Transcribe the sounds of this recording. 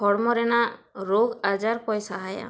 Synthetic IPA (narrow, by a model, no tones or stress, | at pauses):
ɔɽmɔɾɛnaɾoɡad͡ʒaɾpɔjsaɦaja̰